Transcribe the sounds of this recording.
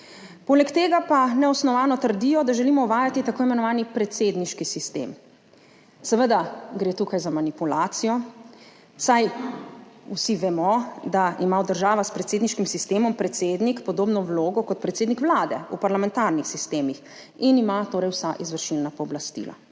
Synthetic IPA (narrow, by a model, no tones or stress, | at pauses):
poːlɛkt̪eːɡapanɛɔsnɔʋaːnɔt̪əɾd̪ijɔd̪aʒɛlimɔuʋaːjat̪it̪akoːimɛnɔʋaːnipɾɛt̪sed̪niʃkisist̪ḛm | sɛʋəd̪aɡɾeːt̪uːkajzamanipulaːt̪sijɔ | saj | usiʋɛmɔd̪aimawd̪əɾʒaːʋaspɾɛt̪seːd̪niʃkimsist̪eːmɔmpɾɛt̪seːd̪nikpɔd̪oːbnɔwloːɡɔkɔt̪̚pɾɛt̪seːd̪nikʋlaːd̪ɛupaɾlamɛ̃nt̪aɾnixsist̪eːmix | inimat̪oːɾɛjwsaʔizʋəɾʃilnapɔːblast̪ḭla̰